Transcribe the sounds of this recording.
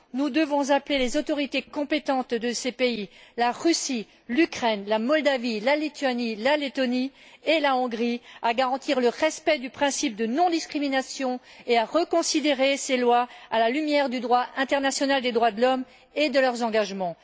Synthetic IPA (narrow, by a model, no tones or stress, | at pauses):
nud̪əvɔ̃zaplelezot̪ɔʁit̪ekɔ̃pet̪ɑ̃t̪d̪əsepeilaʁysi | lykχɛnlamɔld̪avilalit̪yanilalet̪ɔni | elaɔ̃ɡʁiaɡaʁɑ̃t̪iʁləʁɛspɛd̪ypχɛ̃sip̚d̪ənɔ̃d̪iskχiminasjɔ̃eaʁəkɔ̃sid̪eʁeselwaalalymjɛʁd̪yd̪ʁwaʔɛ̃t̪ɛʁnasjɔnald̪ed̪ʁwad̪əlɔm | ed̪əlœʁzɑ̃ɡaʒmɑ̃